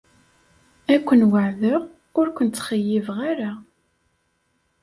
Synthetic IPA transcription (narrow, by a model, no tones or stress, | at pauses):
ækʷːənwaʕðə | ʊɾkʷənt̪χəjːivʁaɾa